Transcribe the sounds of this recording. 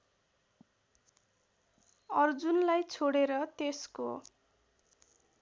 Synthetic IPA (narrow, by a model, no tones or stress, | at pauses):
ʌrd͡zunlajt͡sʰoɽeɾʌt̪esko